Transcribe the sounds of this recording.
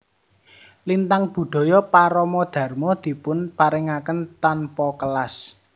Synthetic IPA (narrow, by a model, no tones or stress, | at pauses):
lint̪aŋb̥ṳd̪̥ɔ̤jɔpaɾɔmɔd̪̥ä̤rmɔd̪̥i̤pʊnpaɾɛŋakənt̪anpɔkəlas